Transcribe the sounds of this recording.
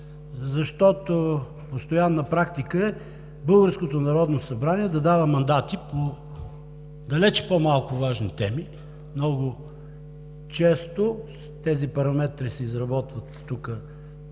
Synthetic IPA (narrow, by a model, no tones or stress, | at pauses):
zɐʃt̪ɔt̪o | post̪ojanːəpɾakt̪ikəɛ | bɤlˠɡəɾskot̪onɐɾɔd̪nosɐbɾaniɛd̪ɐd̪avɐmɐnd̪at̪ipo | d̪ɐlɛt͡ʃpomalˠkʊvaʒnit̪ɛmi | mnɔɡʊ | t͡ʃɛst̪o | t̪ɛzipɐɾɐmɛt̪ɾisɛizɾɐbɔt̪vət̪ːukə